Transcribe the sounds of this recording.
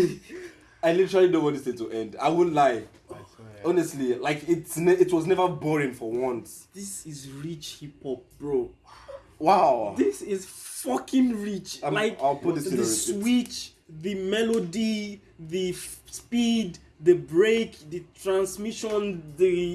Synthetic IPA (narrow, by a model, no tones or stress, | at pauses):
aɪlitəɹalinõbɔdisetʰəʔɛ̃nda̰ɪwɪlaɪ | ɔnəstˡlilaɪkɪtsnɛɪtwɔznɛvəbɔɹɪ̃ŋfɔwʌ̃nt | ðɪsɪzɹit͡ʃhipɔp̚b̥ɹo | waʊðisɪzfʌkʰɪ̃nɹit͡ʃlaɪkaɪwpʊt̚ðɪsðəswit͡ʃ | ðɨmɛlodi | ðɨspid | ðəbɹekðɨtʰɹãnsmiʃɔ̃nðɨ